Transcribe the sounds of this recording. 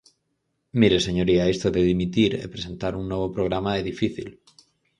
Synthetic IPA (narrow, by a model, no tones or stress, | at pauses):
miɾe̞se̞ɲoɾiae̞st̪oðeðimit̪iɾḛpɾe̞se̞nt̪aɾunːwe̞β̞o̞pɾo̞ɣ̞ɾamaeðifiθḭl